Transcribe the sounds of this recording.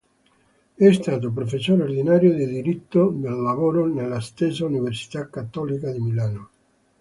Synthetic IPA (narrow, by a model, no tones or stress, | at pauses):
ɛst̪aːt̪̬op̬ɾofesːoːɾeord̪inaːɾjod̪id̪iɾit̪ːod̪elːavoːɾonelːast̪esauniversi̥t̪akːat̪ːɔlikad̪imilaːno